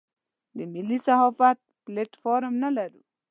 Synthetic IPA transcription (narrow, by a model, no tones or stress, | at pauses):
d̪əmilisahɔfat̪̚pleʈfoɾəmnalaɾu